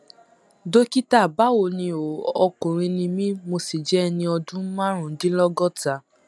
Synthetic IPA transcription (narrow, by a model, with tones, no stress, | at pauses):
do˦ki˦ta˦˨ba˦wo˨nĩ˧o˨ɔ˧ko˨ɾ̃ĩ˧nĩ˧mĩ˦mo˧si˨d͡ʒɛ˨˦˧nĩ˧ɔ˧dũ˦mã˦ɾ̃ũ˨n̩˦dĩ˦lɔ˦ɡɔ˦ta˧˨